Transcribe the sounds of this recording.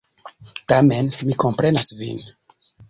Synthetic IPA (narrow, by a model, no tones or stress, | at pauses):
tame̞nmiko̞mpɾe̞nasvḭn